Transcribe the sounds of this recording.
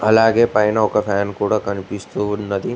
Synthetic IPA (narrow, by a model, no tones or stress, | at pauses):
ɐ̰laːɡepajnaokɐfʰɛːnkuɽɐkɐnpist̪unɐd̪i